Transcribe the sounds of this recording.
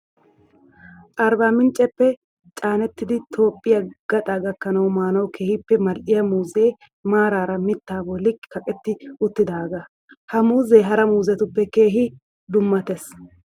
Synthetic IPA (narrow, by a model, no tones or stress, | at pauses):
ʔɐɾbaːmɪnt͡ʃʼːɛpːɛ | t͡ʃʼaːnɛt̪ːɪd̪ɪt̪ʰo̞ːpʼːɪjɐɡ̥ɐt̪ʼaɡɐkːɐnɐwmaːnɐwkʰe̞ːhɪpːɛmɐlʔɪjɐmuːze̞ː | maːɾaːɾɐmɪt̪ːaːbɔlɪkːɪ̥kɐkʼɛt̪ːɪʊt̪ːɪd̪aːɡɐ | hɐmuːzeːɦɐɾɐmuːzɛt̪ʊpːɛke̞ːɦɪ | d̪ʊmːɐt̪ɛs